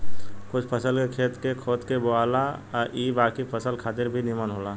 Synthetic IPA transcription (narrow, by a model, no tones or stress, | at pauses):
kʊt͡ʃʰpʰəsəlkekʰeːt̪kekʰoːt̪keboaːlaʔiːbaːkipʰəsəlkʰaːt̪ɪɾbʱinɪmənɦoːlaː